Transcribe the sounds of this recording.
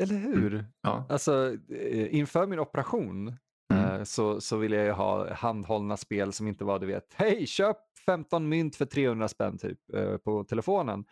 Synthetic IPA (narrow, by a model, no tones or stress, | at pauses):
ɛlːəɾɦʉ̟ɾalsɔ | ɪnfœːɾmɪnɔpəɾaɧuːn | sɔsɔvɪlːəjajɵɦɑ̰ːhand̪hɔlnaspeːlsɔmɪnt̪əvad̪ɵvḛːt̪hɛjɕøːp̚ | fɛmt̪ɔnmʏnt̪fœʈʰɾeːhɵnd̪ɾaspɛ̰nːt̪ʰy̰ːp̚pʰɔt̪ʰɛlɛfoːnə̰n